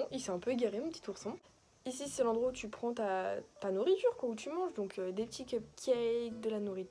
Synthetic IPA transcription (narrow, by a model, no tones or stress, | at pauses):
ʔilsɛɛ̃pøeɡaʁemɔ̃pət̪i̥t̪uʁsɔ̃ | isisɛlɑ̃d̪ʁwaut̪ypχɑ̃t̪at̪anuʁit̪yʁkwaut̪ʰymɑ̃ʒd̪ɔ̃kʰød̪epət̪ʰikøp̚kʲʰɛk̚d̪əlanuʁit̪